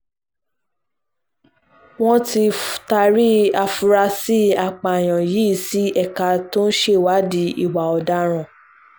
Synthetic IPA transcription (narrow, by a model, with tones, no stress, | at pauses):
w̃ɔ̃˦ti˧fta˧ɾi˦a˧fu˧ɾa˧si˦a˧˨k͡pa˨j̃ã˨ji˨˦i˦˨si˨˦ɛ˦˧ka˧to˦n̩˦ʃe˦˨wa˨˦di˦ḭ˦˨wa˨ɔ˨da˦ɾ̃ã˨